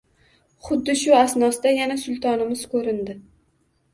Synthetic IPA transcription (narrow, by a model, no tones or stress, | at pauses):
χʊd̪ːɪʃʊasnɒsd̪ajanasʊlˠt̪ʰɒnɪmɪz̥kʰɵɾɪnd̪ɪ